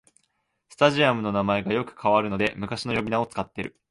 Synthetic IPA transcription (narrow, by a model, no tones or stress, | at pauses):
sɨ̥t̪aʑiamɯ̟no̞namae̞ɡajo̞kɯ̟̥kʰaβaɾɯ̟no̞d̪e̞mɯ̟kaɕino̞jo̞bʲinao̞t͡sɨ̥kat̪ːe̞ɾɯ̟